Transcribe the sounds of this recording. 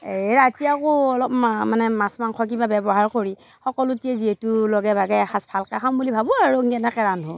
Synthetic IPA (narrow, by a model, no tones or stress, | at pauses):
eɹatiakoɔlɔpmamanɛmasmaŋkʰɔk̬ibabɛbɔɦaɹkoɹi | xɔkɔlʊtiɛziɦɛtulɔɡɛbʱaɡɛɛxʰasbʰʱalkaxʰambulibʱabɔaɹuŋɡɛnɛkɛɹanɦo̰